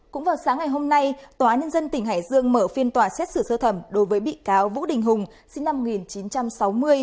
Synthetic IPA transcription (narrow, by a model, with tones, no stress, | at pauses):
kʊ̰˧˥ŋ͡mvaː˨˩wsaː˨˦ŋa˨˩jɦo˧mna˧jt̪waː˨˦ɲə˧nzə˧nt̪ï˧˩ŋ̟ɦaː˧˩jzɨ˧əŋməː˧˩fi˧ənt̪waː˨˩sɛ˦˥t̚sɨ˧˩səː˧t̪ʰə˧˩mɗo˨˦jvəː˨˦jɓḭ˧˨kaː˨˦wvṵ˧˥ɗï˨˩ŋ̟ɦʊ˨˩ŋ͡m | sï˧ŋnːa˧mo˨˩ŋi˨˩nt͡ɕi˨˦nt͡ɕa˧msa˨˦wmɨ˧əj